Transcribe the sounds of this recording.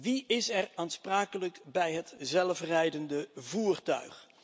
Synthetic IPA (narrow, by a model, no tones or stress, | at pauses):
ʋiɪsɛraːnspraːkələkbɛjɦətzɛlˠfrɛjdəndəvuːrtœ̰ɥχ